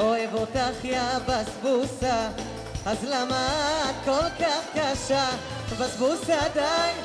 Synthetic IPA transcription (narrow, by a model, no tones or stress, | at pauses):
oevot̪aχjabasbusa | azlamad̪̚kolkaχkaʃa | vasbusaad̪ajn